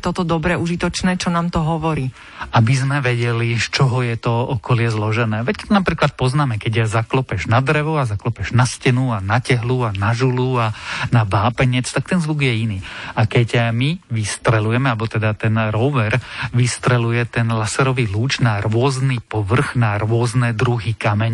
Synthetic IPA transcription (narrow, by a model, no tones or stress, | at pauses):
t̪ɔt̪ɔd̪ɔbɾɛuʒit̪ɔt͡ʃnɛːt͡ʃɔnaːmt̪ɔɦɔʋɔɾiː | abizmɛʋɛɟɛlist͡ʃɔɦɔjɛt̪ɔɔkɔlɪɛzlɔʒɛnɛːʋɛct̪ɔnapɾiːklat̪̚pɔznaːmɛkɛɟjazaklɔpɛʒnad̪ɾɛʋɔazaklɔpɛʒnascɛnuanacɛɦluanaʒuluanabaːpɛɲɛt͡st̪ak̚t̪ɛnzʋuɡjɛiniːakɛɟmiʋist̪ɾɛlujɛmɛalbɔt̪ɛd̪at̪ɛnɾɔʋɛɾʋist̪ɾɛlujɛt̪ɛnlasɛɾɔʋiːluːt͡ʃnaɾʊɔznipɔʋr̩ɣnaɾʊɔznɛd̪ɾuɦikamɛɲ